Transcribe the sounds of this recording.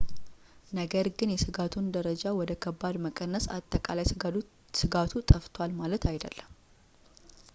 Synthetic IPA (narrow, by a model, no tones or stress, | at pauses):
nəɡəɾɡɨnjɛsɨɡat̪ʰund̪əɾəd͡ʒawɔd̪əkʰəbːad̪məkʼənːəsa̰t̪ʼːəkʼalaj | sɨɡat̪ʰut̪ʼəft̪ʰwalmalət̪ʰajd̪ə̰lːəm